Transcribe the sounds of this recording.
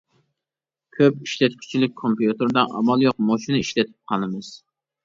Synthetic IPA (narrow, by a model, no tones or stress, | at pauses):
kʲʰøpiʃlɛt̪kʲʰy̥t͡ʃʰilɪk̚ʲkʰompijut̪ɨɾd̪ɑʔɑ̰mɑlˠjoqmoʃinɨiʃlɛt̪ʰɪ̥p̚qʰɑnɨmɨz̥